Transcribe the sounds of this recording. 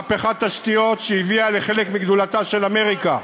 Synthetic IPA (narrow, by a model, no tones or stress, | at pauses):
peχat̪ːaʃt̪ijo̞t̪ʃeiviale̞χe̞lekmiɡd̪ulat̪aʃe̞lame̞ʁika